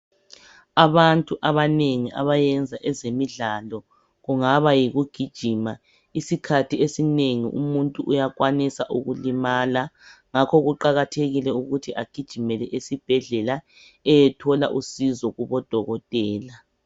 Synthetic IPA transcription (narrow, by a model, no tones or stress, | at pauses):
aβantʼuʔaβaneŋiʔa̰βajɛnd͡zʱaʔɛzemiɮalɔ | ɣuŋaβajiɣuɡ̥ʱid̥ʒ̥ʱima | isikʰatʰiesineŋḭʔṵmuntʼuʔujaɣwanisaʔuɣulimaːlaŋakʰɔɣuǃaɣatʰeɣilɛuɣutʰiʔaɡ̥ʱid̥ʒ̥ʱimɛlɛʔesib̥ʱɛɮɛla | ɛjɛtʰɔla̰ʔusizɔɣuβɔd̥ʱɔɣɔtʼɛːla